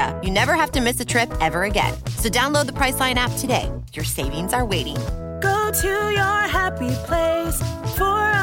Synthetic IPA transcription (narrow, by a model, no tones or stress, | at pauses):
ə̰jɨnɛvə˞hæftɨmɪsɨtʰɹ̥ɪpɛvə˞ɨɡɛ̰̃nsoʊdãʊ̃nloʊd̪̚ðəpʰɹ̥aɪslãɪ̃ñæp̚tʰɨdeɪ | jə˞seɪvɪ̃ŋzə˞weɪɾɪ̰̃ŋ | ɡ̥oʊɾujə˞ɦæpipʰl̥eɪsfə˞